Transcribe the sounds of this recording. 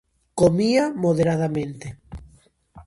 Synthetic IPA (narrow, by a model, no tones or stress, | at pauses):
komiamoð̞eɾaðamẽnt̪e